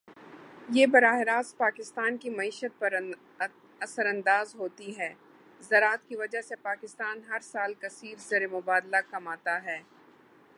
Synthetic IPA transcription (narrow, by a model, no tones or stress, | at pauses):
jeːbɐɾaːɦɪɾaːs̚paːkɪst̪aːnkimɐiːʃət̪̚pɐɾ | ɐsəɾɐ̃nd̪aːzɦoːt̪iɦɛː | zɐɾaːt̪kiʋɐd͡ʒasepaːkɪst̪aːnɦɐɾsaːlkɐsiːɾzɐɾemʊbaːd̪lakɐmaːt̪aɦɛː